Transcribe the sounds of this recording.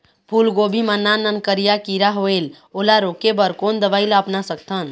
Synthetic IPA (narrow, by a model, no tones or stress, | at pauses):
pʰulɡobʱimənːanənkəɾijakiɾaɦoel | olaɾokebəɾkond̪əbajləpnasək̚t̪ʰən